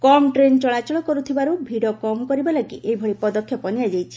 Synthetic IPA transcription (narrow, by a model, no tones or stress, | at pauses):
kɔmʈɾent͡ʃɔɭat͡ʃɔɭɔkɔɾut̪ʰibaɾubʱiɽɔkɔmkɔɾibalakḭʔebʱɔɭipɔd̪ɔkʰːjɔpɔnijad͡ʒajt͡ʃʰi̥